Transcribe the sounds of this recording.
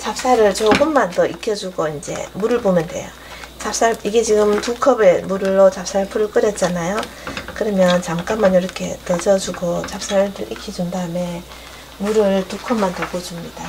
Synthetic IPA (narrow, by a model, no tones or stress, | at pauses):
t͡ɕap̚s͈aɾɯɭt͡ɕoɡɯmːantʌʔikʰjʌd͡ʑuɡoind͡ʑe̞̰muɾɯɭbomjʌndwe̞̰jo | t͡ɕap̚s͈aɭiɡe̞t͡ɕiɡɯmtukʰʌbemuɾɯɭːot͡ɕap̚s͈aɾɯɭpʰɯɾɯɭk͈ɯɾjʌt̚t͡ɕ͈anajo | kɯɾʌmjʌnt͡ɕamk͈amʌnjiɾʌkʰe̞tʌd͡ʑʌd͡ʑuɡot͡ɕap̚s͈aɾɯɭtɯʔikʰːid͡ʑundaɯme̞ | muɾɯɭtukʰʌmːantʌpod͡ʑumɲid̥a